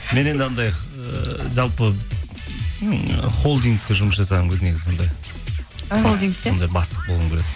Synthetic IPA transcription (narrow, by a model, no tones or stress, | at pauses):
me̞ne̞nd̪ɪɑnd̪ɑj | ʒɑlˠpə | χo̞lˠd̪iŋk̚t̪ːeʒʊməsʒɑsɑʁɑŋɡʲʰed̪ne̞ɡʲɪzond̪ɑj | od̪iŋond̪ɑjbɑst̪ə̥q̚bo̞lˠuəŋkʲʰeet̪